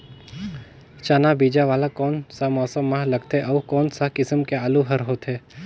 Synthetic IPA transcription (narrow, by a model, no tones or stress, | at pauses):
t͡ʃaːnabiːd͡ʒaʋaːlakɔːnsamɔːsəmːaɦlɐɡt̪ɛʔɔːkɔːnsakɪsəmkeaːluɦɐɾɦoːt̪ɦɛː